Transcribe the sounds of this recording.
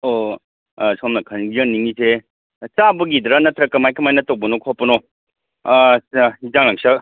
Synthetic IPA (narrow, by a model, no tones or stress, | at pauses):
o | sɔmnɐkʰɐnɡiɾɐniŋise | t͡ʃabɐɡid̪ɾanɐt̪ɾɐkɐmajkɐmajnɐtowbɐnokʰɔpɐno | sizaŋaŋsɐ